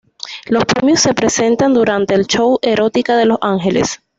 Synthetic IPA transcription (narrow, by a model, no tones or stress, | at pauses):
lo̞spɾemjosːe̞pɾe̞se̞nt̪and̪uɾant̪e̞ːlt͡ʃo̞wʔe̞ɾo̞t̪ikaðe̞lo̞saŋxe̞le̞̰s